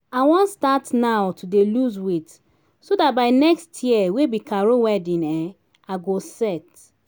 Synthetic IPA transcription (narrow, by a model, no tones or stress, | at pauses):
awɔ̃nstatnawtʰudeluzwet | sodat̚baɪnɛkstʰjɛwebikaɹowɛdĩnɛ | aɡosɛt